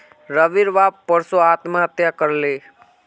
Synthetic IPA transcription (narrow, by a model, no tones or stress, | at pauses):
ɾəʋiɾʋaːppəɾsoaːt̪mãət̪jakəɾle